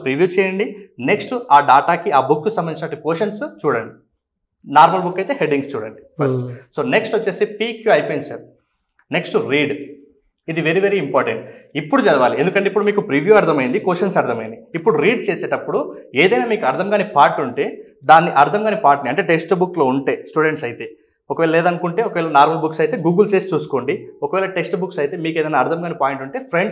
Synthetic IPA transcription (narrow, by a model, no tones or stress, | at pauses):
pɾiʋjuːt͡ʃɛːjɐɳɖine̞ksʈaːɖaːʈaːkiaːbukːusɐmbɐnit͡ʃinɐʈːukoːʂɐnst͡ʃuːɽɐɳɖi | naːɾmɐlbukːɐjt̪e̞ːɦe̞ɖiŋɡst͡ʃuːɽḛɳʈpʰɐɾsʈsoːne̞ksʈʋɐt͡ʃːeːsipiːkjuɐjpoiɲt͡ʃa̰ːɾu | ne̞ksʈuɾiːɖ | id̪iʋe̞ɾiʋe̞ɾiːimpaːɾʈeɳʈipːuɽut͡ʃɐɽɐʋaːliend̪ukɐɳʈeipːuɽumiːkupɾiʋjuːɐɾt̪ʰɐmɐjind̪ikoːʃɐnsɐɾt̪ʰɐmɐjnd̪iipːuɽuɾiːɖt͡ʃeːseːʈɐpːuɽueːd̪ɐjnaːmiːkuɐɾd̪ʰʱɐmɡaːnipaːɾʈuɳʈe̞ː | d̪aːnːiʔɐɾt̪ʰɐmɡaːnipaːɾʈniɐɳʈe̞ːʈe̞ksʈbukːlo̞ːuɳʈe̞ːsʈuːɖe̞ɳʈsɐjit̪e̞ː | ɔkɐʋɛːlɐlɛːd̪ɐnukuɳʈe̞ːɔkɐʋɛːlɐnaːɾmɐbuksɐjt̪e̞ːɡuːɡult͡ʃe̞ːsi̥t͡ʃuːsu̥ko̞ːɳɖiɔkɐʋɛːlɐʈeksʈbuksɐjt̪e̞ːmiːkeːd̪ɐjnaːɾt̪ʰɐmɡaːnipaːjiɳʈuɳʈe̞ːpʰɾe̞ɳɖs